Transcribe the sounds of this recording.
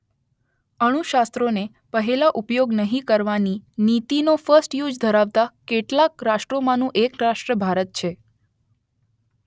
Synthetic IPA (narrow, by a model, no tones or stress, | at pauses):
əɽ̃uʃast̪ɾone | pəɦelaʔupjoɡnəɦĩkəɾʋaninit̪inofəsʈjud͡ʒd̪ʱəɾaʋt̪akeʈlakɾaʃʈɾomãnũʔekɾaʃʈɾəbʱaɾət̪̚t͡ʃʰe